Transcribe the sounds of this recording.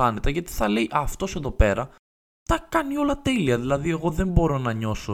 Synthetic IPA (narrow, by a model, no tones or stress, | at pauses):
ɐnet̪ɐʝɐt̪i̥θɐlejʔɐft̪o̞se̞ðo̞pe̞ɾɐ | t̪ɐkɐnio̞lɐt̪e̞liɐðilɐðie̞ɣo̞ðe̞mbo̞ɾo̞nɐɲo̞so